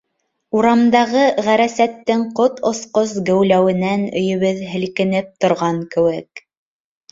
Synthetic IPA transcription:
uɾɑmd̪ɑʁɤʁæɾæsæt̪ːɘŋqot̪ŏsqosɡɘ̆wlæwɘ̆nænɵ̰̆jɵ̆βɘðɦɘ̆lkɘ̆nɘp̚t̪ŏɾʁɑŋkɘ̆wɘk̚

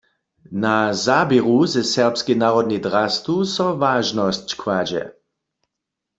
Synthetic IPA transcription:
nazabɛʁuzɛsɛʁpskinaːʁɔd̪̚nid̪ʁast̪usɔvaːʒnɔst͡ɕkʰwad͡ʒɛ̰

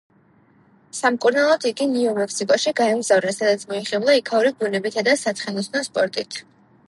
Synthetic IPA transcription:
samkʼuɾnalˠɔd̪ʰiɡiniɔmɛkʰsikʼɔʃiɡaɛmzavɾɛsad̪at̪sʰmɔiχɛblˠaikʰauɾibunɛbit̪ʰad̪asat̪sʰχɛnɔsnɔspʼɔɾt̪ʼit̪ʰ

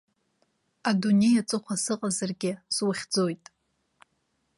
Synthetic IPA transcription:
adune̞jat͡sʼɨχʷʰasɨqʼazarɡʲɪswaχʲd͡zo̞jtʼ

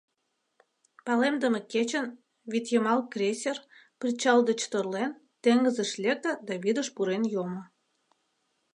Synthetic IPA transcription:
pɑlemd̪əmeket͡ɕən | vit̪jemɑlkrʲesʲer | prʲit͡ɕɑld̪ət͡ɕt̪orlen | t̪eŋɡəzeʃlʲek̚t̪əd̪ɑβid̪ə̆ʃpuɾenjomo

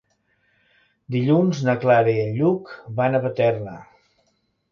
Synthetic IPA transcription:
d̪iʎunznəklaɾəiəʎːukbanəβət̪ɛrnə

